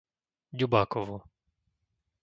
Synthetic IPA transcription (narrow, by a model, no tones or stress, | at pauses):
dʲubakɔʋɔ